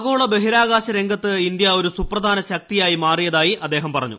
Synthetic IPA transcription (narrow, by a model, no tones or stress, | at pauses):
ɣoːɭɐbe̞ɦiɾaːɣaːɕɐɾe̞ŋɡɐt̪ːɨind̪jɐo̞ɾusuprɐd̪ʱaːnɐɕɐk̚t̪ijaːjimaːrijɐðaːjiɐd̪ːe̞ːɦɐmpɐrɐ̰ɲːṵ